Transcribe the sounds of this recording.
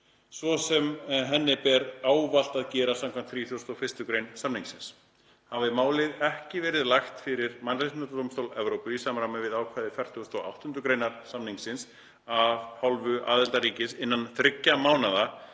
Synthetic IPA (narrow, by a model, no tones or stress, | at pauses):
svɔsɛmɦɛnːɪpɛɾaːwval̥t̪aðcɛːɾasamkʰam̥t̪θɾiːθjuwst̪ɔfɪst̪ʏkɾejnsamniŋksɪns | havɪmaːwlɪðɛhcɪvɛːɾɪðlaxt̪fɪɾɪɾmanɾɪsɪnat̪at̪owmst̪owlɛvɾowpʏisaːmɾamɛvɪðaːwkʰvaːðɪfjɛr̥θjust̪ɔwʔa̰wht̪ʏnt̪ɾʏkɾejnaɾ̥samniŋsɪns | avhalvʏʔa̰ːðɛlt̪aɾiːcɪsɪnːanθɾɪcːamaːwnaða